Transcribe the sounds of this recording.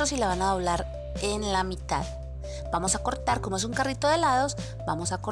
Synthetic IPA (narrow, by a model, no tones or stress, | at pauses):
osilaβ̞anaðo̞β̞laɾ | e̞nlamit̪a̰ð | bamo̞sako̞ɾt̪aɾko̞mo̞e̞s̬uŋkarit̪o̞ðe̞laðo̞s | bamo̞sako